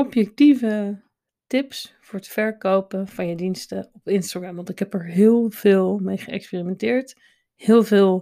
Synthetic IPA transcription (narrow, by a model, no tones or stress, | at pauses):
ɔpjɛk̚tivə | tɪpsfʊːɹətfɛɹkowpənv̥ɑnjədinstəɔpɪnstaχrɑmʋɑntɪkɦɛpɛɹɦɪːlˠv̥ɪːlˠmejχəɛ̰kspiːrimɛntɪːɹt | hɪːlˠvɪːlˠ